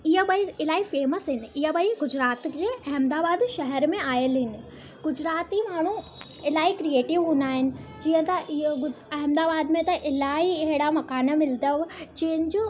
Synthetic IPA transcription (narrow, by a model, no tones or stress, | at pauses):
iɦəbɐiɪlaːifeːməsɦɪnɪ̆ɪɦəbɐiɡʊd͡ʑɾaːt̪d͡ʑeːʔɐɦmd̪aːbaːd̪ʃɐɦɛɾmẽaːjəlɦɪnɪ̆ | ɡ̥ʊd͡ʑɾaːt̪imaːɽ̤̃u | ɪlaːikɾieːʈɪʋɦũːnd̪aːɦɪnɪ̆d͡ʑiːə̃t̪ɐʊɐɦmd̪aːbaːd̪mẽt̪ɐʔɪlaːiɦɪɽamɐkaːnəmɪld̪əʋd͡ʑiːɦə̃nɪd͡ʑoː